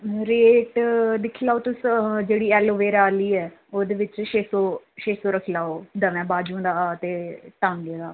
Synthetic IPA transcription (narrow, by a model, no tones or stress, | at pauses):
ɾeːʈd̪ɪkʰːlaːoːt̪ʊsd͡ʒeːɽiːɛːloːʋeːɾaːliːɛːoːd̪eːʋɪt͡ʃʃeːsoː | ʃeːsoːɾəkʰilaːoːd̪əʋɛ̃ːbaːd͡ʒũːd̪aːaːt̪eːʈãːnɡeːd̪aː